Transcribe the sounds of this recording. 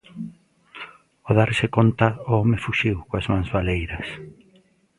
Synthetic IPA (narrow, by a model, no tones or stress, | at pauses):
oðaɾsɪkont̪ɐʊɔmɪfuʃiwkoazmãŋzβalejɾɐs